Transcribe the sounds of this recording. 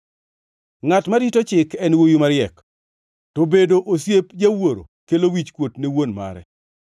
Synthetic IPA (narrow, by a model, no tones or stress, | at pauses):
ŋatmaɾitot͡ʃɪkɛnwojumaɾɪɛk | tobedoʔosjepd͡ʒawoɾo̰kelowit͡ʃkwotnewonma̰ɾɛ̰